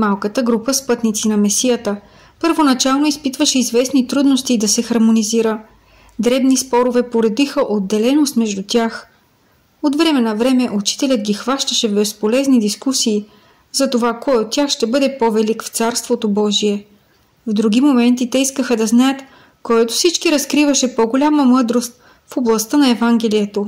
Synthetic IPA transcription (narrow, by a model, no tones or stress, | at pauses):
malˠkət̪əɡɾupəspɤt̪nit̪sinɐmɛsijət̪ə | pəɾvonɐt͡ʃalˠnoispit̪vəʃɛizvɛsnit̪ɾud̪nost̪id̪ɐsɛxɐɾmoniziɾə | d̪ɾɛbnispɔɾovɛpoɾɛd̪ixəʔod̪ːɛlɛnost̪mɛʒd̪ut̪ʲjax | ot̪vɾɛmɛnɐvɾɛmɛʔut͡ʃi̥t̪ɛlʲət̪̚ɡʲixvaʃt̪ɐʃɛvbɛspolɛznid̪iskusiː | zɐt̪ovakɔjot̪ːʲjaxʃt̪ɛbɤd̪ɛpovɛlikft̪saɾst̪vot̪obɔʒiɛ | vd̪ɾuɡ̟ʲimomɛnt̪it̪ɛiskəxəd̪ɐznajət̪ | koɔɛt̪ofsit͡ʃkiɾɐskɾivɐʃɛpoɡolʲaməmɤd̪ɾost̪̚ | foblˠɐst̪ənɐɛvaŋɡɛlijɛt̪o